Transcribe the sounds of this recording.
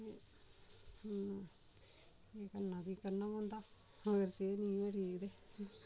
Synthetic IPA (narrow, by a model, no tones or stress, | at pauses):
e | n | eːkənːãːbiːkəɾnãːmõːnd̪aː | əɡəɾseːnĩːʋəʈiːkd̪eː